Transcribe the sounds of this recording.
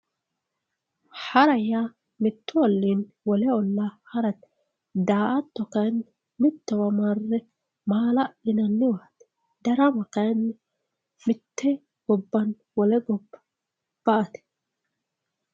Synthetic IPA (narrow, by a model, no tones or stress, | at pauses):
hɐɾɐjaː | mɪt̪ʰːʊɔlːiːn | wɔlɛɔlːahɐɾɐt̪ | d̪aːʔɐt̪ːɔkɐjn | mɪt̪ːɛwɐmɐrːɛ | maːlɐʔɪnɐnːɪwaːt̪ɛ̥ | d̪ɐɾɐmɐkɐjnː | mɪt̪ʰːɛ | ɡ̥ɔbːɐn | wɔlɛɡɔbːɐ̥ | b̥ɐʔɐt̪ɛ̥